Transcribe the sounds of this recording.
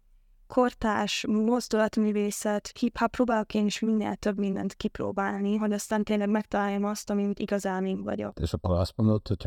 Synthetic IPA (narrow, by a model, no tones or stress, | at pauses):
kʰo̞rt̪aːʃmo̞zd̪ulɒt̪myːveːsɛt̪hiphɒproːbaːlokeːniʃminːḛlt̪ø̞bmind̪ɛ̰nt̪kipro̰ːbaːlniɦoɟɒst̪aːnt̪eːnlɛɡmɛkt̪ɒlaːjːɒmɒst̪ɒmiuːt̪iɡɒzaːmiŋkʋɒ̰ɟɒ̰d̪̥ɪsəpɔlasbə̃ndət̪ʰət̪ʰ